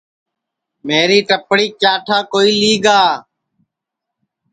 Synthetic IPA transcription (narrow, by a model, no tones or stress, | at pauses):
meːɾiːʈəpɽiːkjaːʈʰaːkoːiːliːɡaː